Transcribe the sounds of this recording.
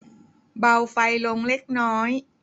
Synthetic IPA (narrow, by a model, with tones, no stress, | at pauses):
ba˧wfa˧jlo˧ŋle˦˥k̚nɔː˦˥j